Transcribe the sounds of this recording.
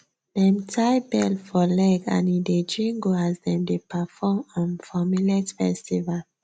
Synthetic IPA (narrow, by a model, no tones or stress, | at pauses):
lɛ̃mtʰajbɛlfɔlɛɡã̰nided͡ʒĩŋɡohazdɛ̃mdepafɔmɔ̃nfɔmilɛtfɛstival